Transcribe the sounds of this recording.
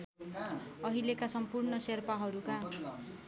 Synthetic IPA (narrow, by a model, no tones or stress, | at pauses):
ʌɦilekasʌmpurnʌserpaɦʌɾuka